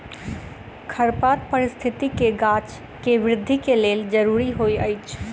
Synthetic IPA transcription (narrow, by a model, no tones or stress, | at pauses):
kʰəɾpat̪̚pəɾɪst̪ʰit̪ikeɡat͡ʃ | keʋɾɪd̪ʱːikeleld͡ʒəɾuɾiɦojəjt͡ʃʰ